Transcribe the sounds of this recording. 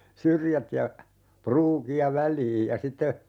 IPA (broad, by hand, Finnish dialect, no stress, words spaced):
syrjæt jɑ pruːkiɑ ʋælˑiːj jɑ sitːe